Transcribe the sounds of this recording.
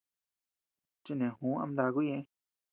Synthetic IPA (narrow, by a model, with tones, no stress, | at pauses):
t͡ʃi˦˧˨nẽ˨hũ˨˦ã̰˧md̪a˧ɣu˦ẽ˧˦˧